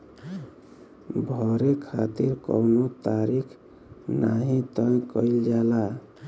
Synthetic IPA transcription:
bʱɔɾekʰat̪iɾkɔ̰wnot̪aɾikʰ | naɦĩt̪əjkəild͡ʒala

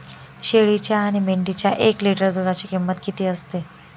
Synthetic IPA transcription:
ɕeɭit͡ɕjaːɽ̃imeɳʈit͡ɕjaʔekliʈəɾd̪ud̪at͡ɕikimːət̪kit̪iːəst̪e

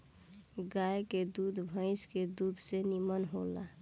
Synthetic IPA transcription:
ɡajked̪ud̪bʱə̃ɪ̃sked̪uːd̪ʱsenimənɦola̰

